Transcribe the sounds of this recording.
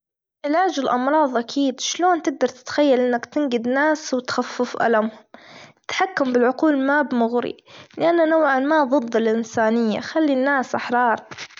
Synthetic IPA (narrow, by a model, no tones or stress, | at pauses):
ʕɪlaːd͡ʒɪlʔɑ̰mɾˤɑːðˤʔakʰiːd̪ʃloːnt̪ɪɡ̚d̪ɑɾˤt̪ɪ̥t̪xajːalʔɪnːakt̪ɪnɡɪd̪naːswɪt̪xafːɪfʔa̰lamhʊmt̪ħakːambɪlʕʊquːlmabmʊɣɾḭlɪʔanːanawʕanmaðˤɨd̪ːɪlʔɪnsaːnɪjːa̰xalːinːaːsʔaħɾˤɑːɾˤ